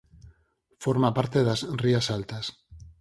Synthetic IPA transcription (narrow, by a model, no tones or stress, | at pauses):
fo̞ɾmapaɾt̪e̞ðazriasalt̪as